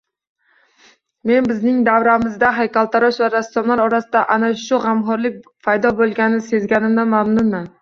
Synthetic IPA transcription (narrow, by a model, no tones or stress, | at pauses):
me̞nbɪznɪŋd̪avɾamɪzd̪aɦajkʲalˠt̪ʰaɾɒʃvaɾasːɒmlaɾɒɾasɪd̪aʔanaʃʊʁamɦɒɾlɪk̚ʲpʰajd̪ɒbolˠɡʲanɪse̞zɡʲanɪmd̪amamnʊnman